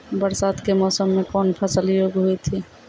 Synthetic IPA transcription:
bəɾsaːt̪kemɔːsəmːẽkɔːnpʰəsəljoːɡɦuit̪ʰi

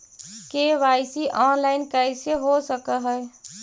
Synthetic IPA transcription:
keʋaːɪsiʔɔːnlaːɪnkɛɪseɦosəkəɦɛ

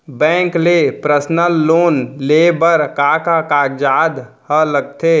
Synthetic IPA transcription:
bɛ̃ːŋklepɾəsnəlːoːnlebəɾkaːkakad͡ʒaːd̪ | hələɡ̚t̪ʰe

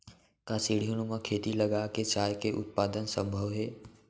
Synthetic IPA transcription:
kasiːɽ̤ijonumakʰeːt̪ilɐɡaket͡ʃaːjkeʔʊ̰t̪̚paːd̪ənsə̃mbʱəʋɦɛː

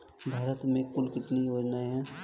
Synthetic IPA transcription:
bʱaːɾət̪mẽkʊlkɪt̪niʋod͡ʒnaiɦɛ̃

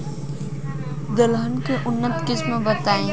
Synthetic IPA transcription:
d̪əlɦənkeʔʊnːət̪kɪsmẽbət̪aːẽː

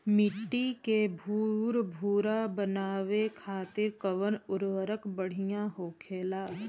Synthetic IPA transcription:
mɪʈːikebʱuːɾbʱuːɾabənaːʋekʰaːt̪ɪɾkəʋənʊɾʋəɾəkbəɽ̤ijãɦoːkʰeːlaː

